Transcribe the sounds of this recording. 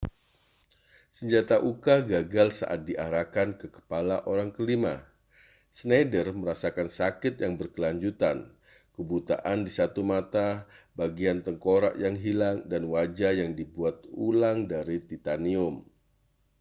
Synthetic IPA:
səɲd͡ʒat̪aʔukaɡaɡalsa̰ʔat̪̚diʔaɾakankəkə̥palaʔoɾaŋkəlima̰ | snadərməɾasakansakɪt̪̚jaŋbərkəlaɲd͡ʒut̪an | kəbut̪a̰ʔandisat̪umat̪abaɡiant̪əŋkoɾa̰ʔjaŋɦilaŋdanwad͡ʒajaŋdibuat̪̚ulaŋdaɾit̪it̪aniʊm

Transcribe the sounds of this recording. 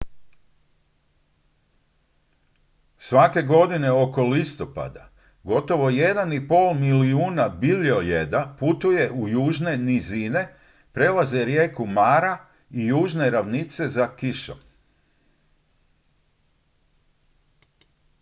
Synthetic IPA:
sʋake̞ɡo̞d̪ine̞o̞ko̞list̪o̞pa̰d̪a | ɡo̞t̪o̞ʋo̞je̞d̪anipo̞ːlmiliuːnabiliojed̪aput̪uje̞ʔujuːʒne̞nizine̞ | pɾe̞laze̞ɾjeːkumaːɾa | ijuːʒne̞ɾaʋnit̪se̞zakiʃo̰

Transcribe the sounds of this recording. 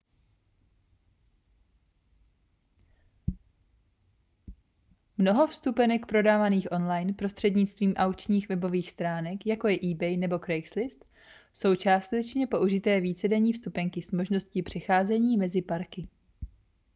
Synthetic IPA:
mno̞ɦo̞fst̪upɛnɛkpɾo̞daːvaniːxʔo̞nlajnpɾo̞st̪r̝̥ɛdɲɪt͡st̪viːmʔawkt͡ʃɲiːxvɛbo̞viːxst̪ɾaːnɛkjako̞jɛʔiːbɛjnɛbo̞kɾɛjkslɪst̪ | so̞wt͡ʃaːst̪ɛt͡ʃɲɛpo̞ʔuʒɪt̪ɛːviːt͡sɛdɛɲiːfst̪upɛŋkɪsmo̞ʒno̞scɪpr̝̥ɛxaːzɛɲiːmɛzɪpaɾkɪ

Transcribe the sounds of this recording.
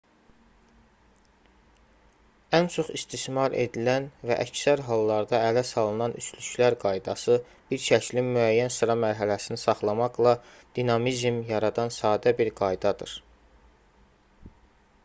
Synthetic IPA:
ænt͡ʃʰo̞χist̪ismɑɾe̞̰d̪ilænvæ̰ʔæ̰csæɾɦɑlˠːɑɾd̪ɑælæsɑlˠɯnɑnʔyslyʃlæɾɡɑjd̪ɑsɯ | b̥iɾʃʰæclinmyæjːænsɯɾɑmæɾɦælæsinisɑχlˠɑmɑɡlˠɑ | d̪̥inɑmizmjɑɾɑd̪ɑnsɑːd̪æbiɾɡɑjd̪ɑd̪ɯ̰ɾ

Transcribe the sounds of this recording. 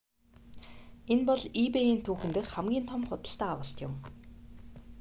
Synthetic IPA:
enpɔɮipejiːnt̪ʰuːxɘ̆nt̪ɘ̆xχæmɡʲiːnt̪ʰɔmχʊt̪ə̆ɬt̪æːawə̆ɬt̪jʊm

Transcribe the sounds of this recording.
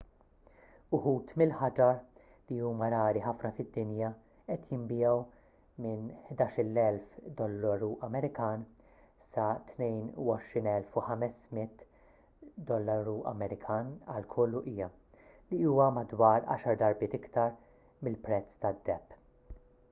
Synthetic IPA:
ʊħuːt̪mɪlħɐd͡ʒɐ | liuːmɐɾɐːɾiħɐfnɐfɪd̪ːɪnjɐ | ʔɛt̪jɪmbɪjɛw | mɪnħd̪ɐːʃɪlːɛlfd̪ɔlːɐɾuʔɐmɛɾɪkɐːn | sɐt̪nɛjnṵɔʃɾiːnɛlfuħɐmɛsmɪt̪ | d̪ɔlːɐɾuɐ̰mɛɾɪkʰɐːnɐ̰lkʰɔlːuʔiːjɐ | liuːwɐmɐd̪wɐːɾɐ̰ːʃɐɾd̪ɐɾbɪːt̪ɪkt̪ɐɾ | mɪlpɾɛt͡sːt̪ɐd̪ːɛpː

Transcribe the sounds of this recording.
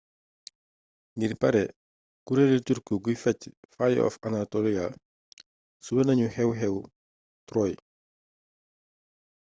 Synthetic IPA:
ŋɡiɾpɐɾɛ | kuɾɛliturkəɡujfɛcːfaj̰ɔ̰fɐnatɔliɡa | subɐnɐɲuhɛwɦɛw | trɔːj

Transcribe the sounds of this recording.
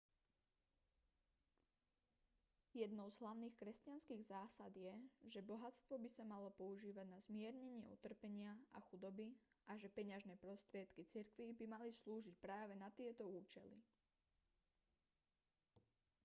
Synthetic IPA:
jɛd̪nɔʊzɦlaʊniːxkɾɛscanskiːɣzaːsad̪jɛʒɛbɔɦat͡st̪ʋɔbisamalɔpɔuʒiːʋaɟnazmɪɛɾɲɛɲɪɛ̰ṵt̪r̩pɛɲɪaa̰xud̪ɔbiaʒɛpɛɲaʒnɛːpɾɔst̪ɾɪɛt̪kit͡siɾkʋibimalisluːʒic̚pɾaːʋɛnat̪ɪɛt̪ɔuːt͡ʃɛlḭ

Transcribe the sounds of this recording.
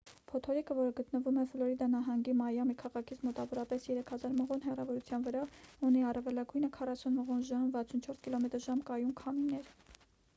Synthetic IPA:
pʰɔt̪ʰɔɾikəvɔɾəɡət̪nəvumɛflɔɾid̪ɑnɑɦɑŋɡimɑjɑmikʰɑʁɑkʰit͡sʰmɔt̪ɑvɔɾɑpɛsjɛɾɛkʰhɑzɑɾməʁɔnɦɛrɑvɔɾut͡sʰjɑnvəɾɑuniɑrɛvɛlɑɡujnəkʰɑrɑsunməʁɔnʒɑmvɑt͡sʰunt͡ʃʰɔɾskilɔmɛt̪əɾʒɑmkɑjunkʰɑminɛɾ

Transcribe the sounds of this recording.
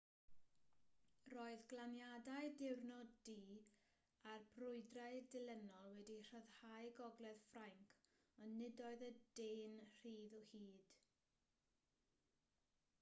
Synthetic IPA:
roːɨðɡlˠanjadaɨdɪwrnɔdiː | arbrʊɨdraɨdɪlˠɛnɔlˠwɛdir̥əð̥hajɡɔɡlˠɛð̥fraŋkʰ | ɔnːɪdɔɨðədeːnr̥iːðɔhiːd̥

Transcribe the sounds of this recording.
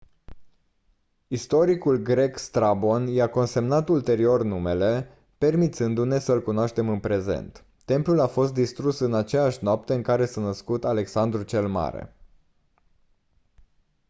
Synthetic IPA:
ist̪o̞ɾikulɡɾe̞kst̪ɾabo̞njako̞nse̞mnat̪ult̪e̞ɾio̞rnume̞le̞ | pe̞rmit̪sɨnd̪une̞səlkunoaʃt̪e̞mɨnpɾe̞ze̞̰nt̪ː | e̞mplulafo̞st̪̚d̪ist̪ɾusɨnat͡ʃejaʃʲnoap̚t̪e̞ɨŋkaɾe̞sənəskut̪ale̞ksand̪ɾut͡ʃe̞lma̰ɾḛ

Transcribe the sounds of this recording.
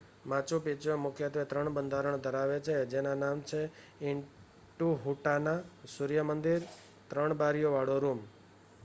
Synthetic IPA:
mãt͡ʃupit͡ʃoemʊkʰjət̪ʋet̪ɾəɳbənd̪ʱaɾəɳ̃d̪ʱəɾaʋet͡ʃʰed͡ʒenanamt͡ʃʰe | ɪɳ | ʈuɦuʈanasuɾijəmənd̪iɾ | t̪ɾəɳ̃baɾjoʋaɽoɾum

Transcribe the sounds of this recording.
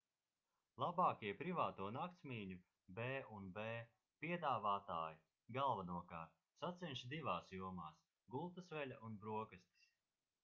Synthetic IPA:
lˠabaːkʲiɛpɾivaːt̪uɔnak̚t̪smʲiːɲu | bɛːunbɛː | piɛd̪aːvaːt̪aːji | ɡalˠvanuɔkaː | sat̪sɛnʃid̪ivaːsjuɔmaːs | ɡulˠt̪asvɛlʲaʔunbɾuɔkast̪i̥s

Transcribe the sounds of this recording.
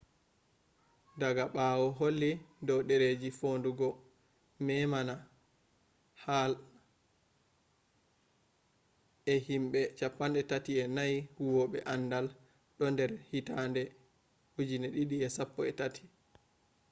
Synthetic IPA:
daɡaɓawɔɦolːidɔwɗeɾed͡ʒifonduɡɔ | mɛmana | hal | ɛhimɓɛt͡ʃapːanɗɛtatiɛnajhuwɔɓɛ̰ʔanːdal | ɗɔndɛɾhitandɛ | hud͡ʒinɛɗiɗiɛsapːɔɛtatʰi̥

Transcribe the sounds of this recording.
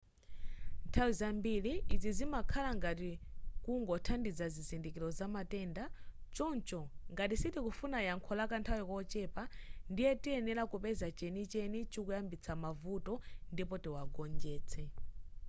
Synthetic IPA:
ntʰawizambiliːd͡zizimakʰalaŋɡatikuŋɡɔtʰandid͡zazizindikiɾɔzamatɛːndat͡ʃɔnt͡ʃɔŋɡatisitikufunajaŋkʰɔlakantʰawikɔt͡ʃɛpandijɛtiɛnɛlakupɛzat͡ʃɛnit͡ʃɛnit͡ʃikujambit͡sʰamavutɔndipɔtiwaɡɔnd͡ʒɛːt͡sʰɛ

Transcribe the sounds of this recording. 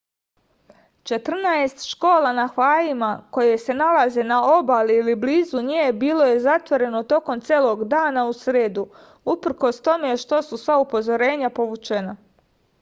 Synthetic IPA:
t͡ʃe̞t̪r̩naest̪ʃko̞ːlanaxʋaːlimako̞je̞se̞nalaze̞nao̞baliːlibliːzuɲeːbiːlˠo̞je̞zat̪ʋo̞ɾe̞no̞t̪o̞ko̞mt̪sjeːlˠo̞ɡd̪aːnausɾeːd̪u | upɾ̩ko̞st̪o̞me̞ʃt̪o̞susʋaupo̞zo̞ɾe̞ːɲapo̞ʋut͡ʃena

